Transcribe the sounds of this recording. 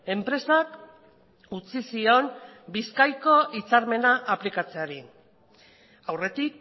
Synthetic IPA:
e̞mpɾe̞sak | ut͡sisio̞nbiskajko̞ʔit͡saɾme̞naʔːplikat͡se̞aɾi | awre̞t̪ik̚

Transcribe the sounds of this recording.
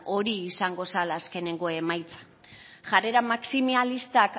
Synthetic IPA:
o̞ɾiːsaŋɡo̞salaːske̞ne̞ŋɡo̞e̞majt͡sḁ | ʝare̞ɾamaksimialist̪ak

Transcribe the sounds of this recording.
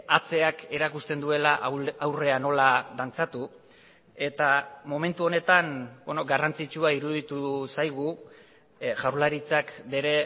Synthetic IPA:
at͡se̞ake̞ɾakust̪e̞nd̪ue̞laʔːwre̞ano̞laðant͡sat̪u | e̞t̪amo̞me̞nt̪uo̞ne̞t̪anbenoɡarant͡sit͡ʃuaiɾuðit̪usajɣ̞u | ʝawɾlaɾit͡sakbe̞ɾe̞

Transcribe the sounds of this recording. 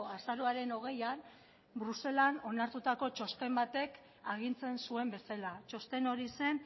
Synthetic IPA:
asaɾoaɾe̞no̞ɣ̞e̞jan | bɾuse̞lano̞naɾt̪ut̪ako̞t͡ʃo̞st̪e̞mbat̪e̞k | aɣint͡se̞nsue̞mbe̞salat͡ʃo̞st̪e̞no̞ɾise̞n

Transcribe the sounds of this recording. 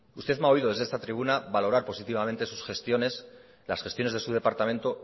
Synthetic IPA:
ust̪e̞ðmao̞iðo̞ðe̞zðest̪at̪ɾiβ̞unaβalo̞ɾaɾpo̞sit̪iβamẽ̞nt̪e̞su̥sxe̞st̪jo̞ne̞s | lasxest̪jo̞neðe̞suðe̞paɾt̪amẽnt̪o

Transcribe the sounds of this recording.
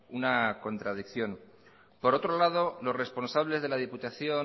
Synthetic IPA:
unako̞nt̪ɾað̞ikθjo̞n | po̞ɾo̞t̪ɾo̞lað̞o̞lo̞sre̞spo̞nsaβle̞zð̞e̞lað̞iput̪aθjo̞

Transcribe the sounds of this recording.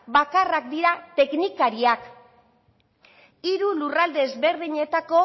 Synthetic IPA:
bakarakd̪iɾat̪e̞knikaɾiak | iɾulurald̪eːzβe̞ɾðiɲe̞t̪ako̞

